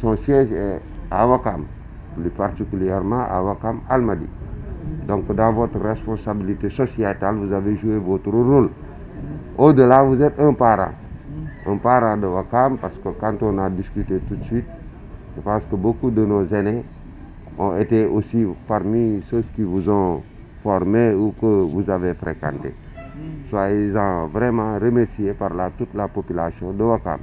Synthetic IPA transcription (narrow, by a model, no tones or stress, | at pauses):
sɔ̃sjɛʒɛ | awakam | plypartikyljɛɾmãʔa̰wakamalmadḭ | dɔ̃ŋkːədãvot̪ɾrespɔ̃sabilitesosjatalvuzaveʒuevot̪ɾəɾol | odəlavuzɛtə̃paɾã̰ | ə̰̃paɾãdəwakampaɾskəkãːntɔ̃nadiskyt̪etut̪swit̪̚ | ʒəpãskəbokudənozane | ɔ̃eteosipaɾmiʃozkivuzɔ̃ | fɔɾmeukəvuzavefɾekã̰ntḛ | swailzɔ̃vɾɛmãɾəmɛɾsijepaɾlatutlapopylasjɔ̃dəwaka̰m